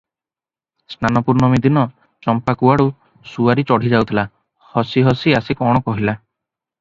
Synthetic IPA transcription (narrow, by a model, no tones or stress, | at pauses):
snanɔpuɾɳɔmid̪inɔ | t͡ʃɔmpakuaɽu | suaɾit͡ʃɔɽ̤id͡ʒawt̪ʰila | hɔsiɦɔsiasikɔɽ̃ɔkɔɦila